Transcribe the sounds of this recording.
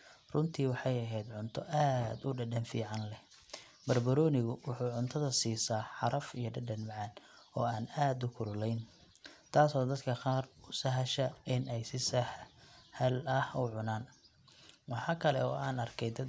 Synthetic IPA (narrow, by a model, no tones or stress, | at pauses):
rʊnt̪ʰiːwɑħɑjɐɦɛjd̪ʕʊnt̪ʰɔʔaːd̪ʊɖɐɖɐnfḭːʕɑnlɛ | bɐrbɐɾɔːnɪɣʊwʊħuːʕʊnt̪ʰɐðɐsiːsaːħɑɾɐfijɞɖɐɖɐnmʕɑnɔːaːnaːd̪ʊkʰʊɾʊlɛjn | t̪ʰaːsɔːd̪ɐd̪kʰɐqɑːrʊsɐɦɐʃɐɪnɛjsɪsɐ | ɐlɐhʊʕʊnaːn | wɑħɑːkʰɐlɛ̰ɔ̰ːaːnɐrkʰɛjd̪ɐ